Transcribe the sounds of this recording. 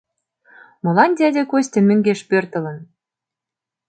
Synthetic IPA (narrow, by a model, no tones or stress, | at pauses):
mɤ̆lɑnd̪ʲædʲekosʲt̪ʲĕmø̆ŋɡeʃpørt̪ə̆lə̆n